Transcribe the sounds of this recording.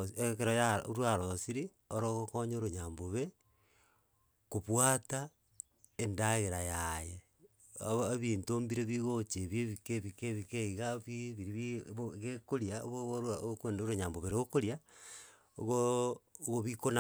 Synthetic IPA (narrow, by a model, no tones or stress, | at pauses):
ekeɾojaoɾwaɾosiɾi | oɾoɣokoɲoɾoɲaːmboβe | koβwaːta | endaɣeɾajaje | aβintoːmbiɾeβiɣot͡ʃeβjeβikeβikeβikeiɣaβiβiɾiβɣekoɾjao̰ɣoɾakeːndoɾoɲaːmboβeɾeɣokoɾja | o̰ɣo | ɣoβikona